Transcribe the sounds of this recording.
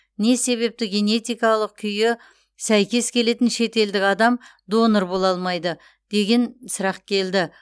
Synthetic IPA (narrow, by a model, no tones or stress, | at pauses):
ne̞se̞βe̞p̚t̪ɪɡʲe̞ne̞t̪ijkɑlˠəq̚kʲʰʏjɪ | sæjkʲe̞skʲʰe̞le̞t̪ɪnʃe̞t̪e̞ld̪ɪkʲɑd̪ɑm | d̪o̞nəɾbo̞lˠɑlˠmɑjd̪ə | d̪̥e̞ɡʲe̞nsəɾɑq̚kʲʰe̞ld̪ɪ